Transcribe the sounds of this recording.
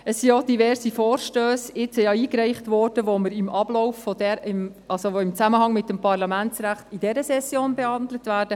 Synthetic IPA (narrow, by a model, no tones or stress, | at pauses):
əsːiod̥ivɛɾsifɔːrʃtøːsɪt͡sijɑiːkɾɛɪχtʋɔːrd̥əʋoməɾɪmʔɑblɔwfːɔdɛɾɪm | ʔɑlsoʋoɪmt͡sæməhɑŋmɪt̚dəmpɑrlɑmænt͡sɾæχtidɛɾəsɛsjoːnbehɑnd̪lətʋæːɾd̥ə